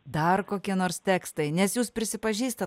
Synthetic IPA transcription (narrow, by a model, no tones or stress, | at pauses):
d̪ɐrkoːkʲiɛnoːɾst̪ʲæːkst̪ɐɪnʲɛsjuːspʲɾʲɪsʲɪpɐʒʲiːst̪ɐ